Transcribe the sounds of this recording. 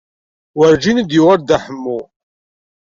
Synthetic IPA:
wəɾd͡ʒinəd̪jʊʁəɾd̪aħəmːu

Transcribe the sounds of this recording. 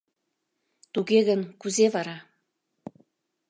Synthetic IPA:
t̪uɣeɣənkuzeβɑɾɑ

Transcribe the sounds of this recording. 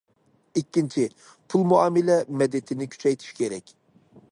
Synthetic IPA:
ikʲːint͡ʃʰi | pʰulˠmuɑːmɪlɛmɛd̪ɛt̪ʰɪnɪkʲʰy̥t͡ʃʰɛjt̪ʰi̥ʃkʲʰeɾɛkʲ

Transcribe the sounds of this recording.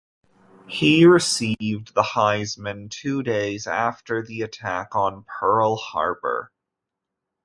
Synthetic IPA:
hiɹɨsivðəhaɪzmɨ̃ntʰʉdeɪzæftə˞ðiɨtʰækn̩pʰɜ˞l̩ˠhɑ̰ɹbə̰˞

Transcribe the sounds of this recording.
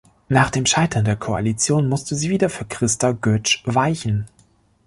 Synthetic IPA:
naːχd̥eːmʃaɪtʰɐndeːɐkʰoa̰lit͡sjoːnmʊstəziːviːdɐfyːɐkʁ̥ɪstɐɡœt͡ʃvaɪçn̩

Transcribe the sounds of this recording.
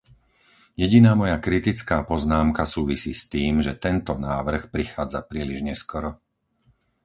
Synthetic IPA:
jɛɟinaːmɔjakɾit̪it͡skaːpɔznaːmkasuːʋisiːst̪iːmʒɛt̪ɛnt̪ɔnaːʋr̩xpɾixaːd͡zapɾiːliʒɲɛskɔɾɔ

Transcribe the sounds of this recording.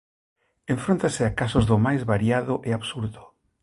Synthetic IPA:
ẽɱfɾont̪aseakasozðomajzβaɾjaðʊʔeaβsuɾðo

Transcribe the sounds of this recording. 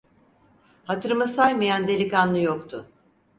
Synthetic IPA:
hat̪ʰɯɾmɯsajmajand̪e̞lʲikanlˠɯjokt̪ʰʊ

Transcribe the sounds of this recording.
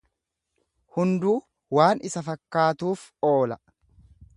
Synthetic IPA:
hʊnd̪uː | waːnɪsɐfɐkːaːt̪uːfo̞ːlɐ

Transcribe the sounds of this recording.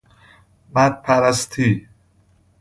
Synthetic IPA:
mæd̪̚pʰæɾæst̪ʰiː

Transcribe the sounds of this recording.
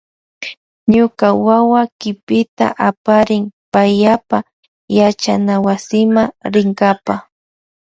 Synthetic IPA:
ɲʊkawawakɪpɪt̪a̰ʔapaɾɪŋpajapa | jat͡ʃanawasɪmaɾɪŋɡapa

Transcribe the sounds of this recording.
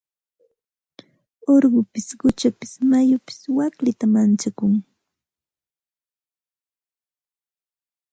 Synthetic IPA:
oɾɢʊpɪsɢʊt͡ʃapɪ̥smajʊpɪ̥swaklɪt̪amant͡ʃakʊŋ

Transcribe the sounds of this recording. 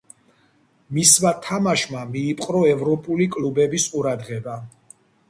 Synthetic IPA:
mismat̪ʰamaʃmamiːpʼqʼɾɔɛvɾɔpʼulikʼlubɛbisqʼuɾad̪ʁɛba

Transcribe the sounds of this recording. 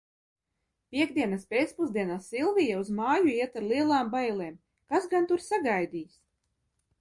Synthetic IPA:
pʲiɛɡd̪iɛnaspʲeːt̪spuzd̪iɛnaːsːilˠvijauzmaːjuiɛt̪aɾlˠiɛlˠaːmbajlˠeːm | kasɡant̪uɾsaɡajd̪iːs

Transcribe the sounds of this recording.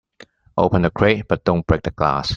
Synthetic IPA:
ʔo̰ʊpə̃ndəkʰɹeɪt̚b̥ʌt̚d̥õʊnb̥ɹek̚dəɡla̰s

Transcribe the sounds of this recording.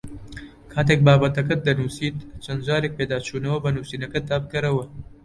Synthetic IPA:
kʰaːt̪ʰeːk̚baːbɐt̪ɐk̬ɐt̪̚d̪ɐnuːsiːt̪t͡ʃʰɐnd̪d͡ʒaːɾek̚peːd̪aːt͡ʃʰuːnɐwɐbɐnuːsiːnɐkɐt̪̚d̪aːbɨkɨɾɐwɐ

